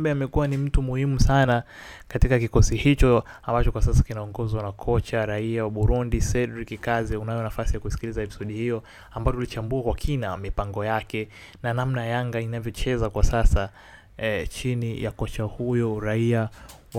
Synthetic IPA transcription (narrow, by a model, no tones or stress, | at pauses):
bɛamɛkuanim̩tumuhimusana | katikakikɔsihit͡ʃɔambat͡ʃɔkwasasḁkinaɔŋɡɔzwanakʰɔt͡ʃaɾaiawaɓuɾundisɛdɾikikazɛunajɔnafasijakusi̥kilizaɛpisɔɗihijɔ | ambajɔtulit͡ʃambuakwakʰinamipaŋɡɔjakɛ | nanam̩najaŋɡainavjɔt͡ʃɛzakwasasa | t͡ʃinija̰kɔt͡ʃahujɔɾaia | w